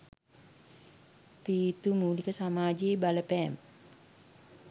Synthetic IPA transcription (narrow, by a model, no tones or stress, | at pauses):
pit̪umulikəsamaːd͡ʒibalɛpɛm